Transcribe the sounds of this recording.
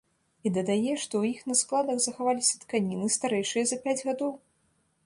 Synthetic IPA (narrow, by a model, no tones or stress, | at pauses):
id̪ɐd̪ajɛʂt̪ɔwjixnɐsklˠad̪ɐɣzɐxavalʲisʲɐt̪kanʲinɨst̪aɾɛjʂɨjɐzɐpʲad͡zʲɣad̪ɔw